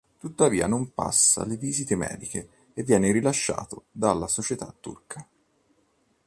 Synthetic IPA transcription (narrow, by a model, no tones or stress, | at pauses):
t̪ut̪ːaviːa̰nompa̰sːa̰leviːzit̪emɛ̰ːd̪ikeː | vːjɛːneɾilaʃːa̰ːt̪od̪alːasot͡ʃet̪a̰t̪ːṵrka